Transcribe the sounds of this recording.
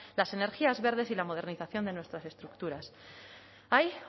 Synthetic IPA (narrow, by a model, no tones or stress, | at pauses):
lase̞ne̞ɾxiazβe̞ɾðe̞silamo̞ð̞e̞ɾniθaθjo̞nd̪e̞nwe̞st̪ɾase̞st̪ɾukt̪uɾas | aj